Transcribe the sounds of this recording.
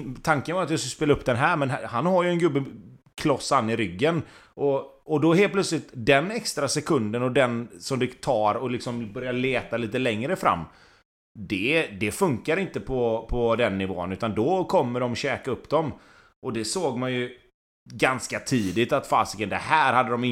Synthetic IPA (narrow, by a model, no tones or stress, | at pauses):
t̪ʰaŋkənvaɾt̪jɑskspeːlaɵpːd̪ɛnɦæːɾmɛnhanɦaɾjɵɛnɡɵbːə | kʰlɔsːanːɪɾʏɡːən | ʔɔ | ɔd̪ɔɦeːl̚pʰlœt̪slɪt̪d̪ɛnɛkst̪ɾasɛkʰɵnd̪ənɔd̪ɛnsɔmd̪ɛt̪ʰɑːɾɔlɪksɔmbœɾjaleːt̪aliːt̪əlɛŋɾəfɾa̰mː | d̪ɛd̪ɛfɵŋkaɾɪnt̪əpʰɔpʰɔd̪ɛnːɪvo̰ːə̰nʉːt̪and̪ɔkʰɔmːəɖɔmɕɛːkaɵpːd̪ɔm | ʔɔd̪ɛsoːɡmanjɵ | ɡanskat̪ʰiːd̪ɪt̪at̪fa̰ːsɪkənd̪ɛhæːɾhad̪ːəd̪ɔmɪ